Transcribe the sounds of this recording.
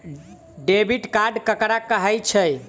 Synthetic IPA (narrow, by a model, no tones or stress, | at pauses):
ɖebiʈkaɖkəkɾakəɦəjt͡ʃʰəj